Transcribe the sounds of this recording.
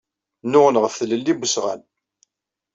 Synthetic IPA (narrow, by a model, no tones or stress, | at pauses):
nʊʁənʁəfθələlːibəsʁa̰n